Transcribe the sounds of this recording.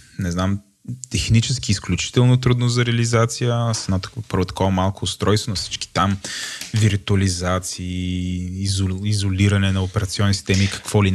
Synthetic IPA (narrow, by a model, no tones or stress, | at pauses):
nɛznam | t̪ɛxnit͡ʃɛskiːsklʲut͡ʃi̥t̪ɛlˠnot̪ɾud̪nozɐɾɛəlizat̪sijəsɛnɔt̪pɤɾvot̪ɐ̥kɔvɐmalˠkoːst̪ɾɔjst̪vonɐfsi̥t͡ʃki̥t̪amviɾt̪uɐlizat̪siː | zizoliɾɐnɛnɐopɛɾɐt̪siɔnːisi̥t̪ɛmikɐ̥kvɔli